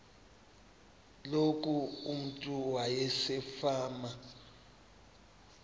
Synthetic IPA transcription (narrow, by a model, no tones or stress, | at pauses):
lok̬ʼuum̩tʼuwajɛsɛfaːma